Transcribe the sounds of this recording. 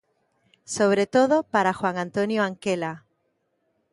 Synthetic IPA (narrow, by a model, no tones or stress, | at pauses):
so̞β̞ɾe̞t̪o̞ðopaɾaxwaŋãnt̪o̞njoaŋkela